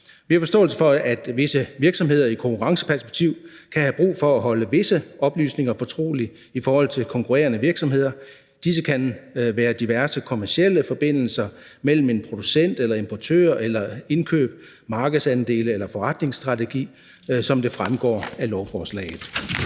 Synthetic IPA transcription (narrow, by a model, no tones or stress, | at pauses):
ʋihɑfɒsd̥ɔ̰̽ːl̩səfɒ̽æd̥ʋe̝səʋiɐɡ̥sɒ̽mɦe̝ð̞ˠɐikʰokuʁɑ̈ŋsə̥pʰæɐsb̥e̝ɡ̥̚t͡sʰiʊ̰ | kʰæhæb̥ʁṵːfɒ̽æɦɒ̽ləʋe̝səʔɒ̽b̥ly̰ːsne̝ŋɐfɒ̽t͡sʰʁo̝̰ːli | ifɒːhɒ̽l̰t͡sʰe̝lkʰɒ̽ŋkʰuʁḛːɐnəʋiɐɡ̥sɒ̽mɦe̝ð̰ˠɐ | d̥is̬əkʰænʋæːɐd̥iʋæɐsəkʰo̝mæɐsiel̰əfɒ̽b̥e̝n̰l̩sɐmel̰m̩e̝npʰʁo̝d̥usen̰d̥elɐe̝mpʰɒt͡sʰø̰ɐʔelɐe̝nkʰø̰ːb̥ | mɑ̈ːɡ̥əð̩ˠsænd̥e̝̰ːləelɐfɒʁɑd̥ne̝ŋsd̥ʁɑ̈t͡sʰeɡ̥ḭː | sɒ̽md̥e̝fʁamɡ̥ɒ̰ːælɒʊfɒːslɛ̰ːɪð̩ˠ